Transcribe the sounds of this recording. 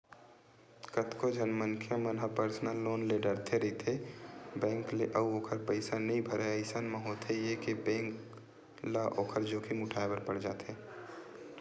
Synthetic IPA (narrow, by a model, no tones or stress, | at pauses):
kət̪kod͡ʒʱənmənkʰjəmənɦapəɾsnəlːoːnleɖəɾt̪ʰeɾit̪ʰebɛ̃ːŋkleʔəuoːkʰəɾpəɪsanəɦĩbʱəɾeəɪsanmẽɦot̪ʰejekibɛ̃ːŋk | laʔoːkʰəɾd͡ʒoːkʰimʊʈʰaːebəɾpəɽd͡ʒaːt̪ʰe